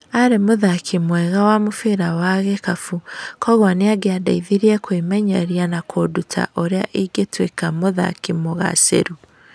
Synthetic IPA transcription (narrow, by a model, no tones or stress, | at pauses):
aɾemoðakʰimwɛɣawamofeɾawaɣɛkafukɔɣwaneaɡeadaiðiɾiɛkwimɛɲɛɾianakʰodutʰa̰ʔoɾeaʔiɡetwekamoða̰kimoɣa̰sḛɾu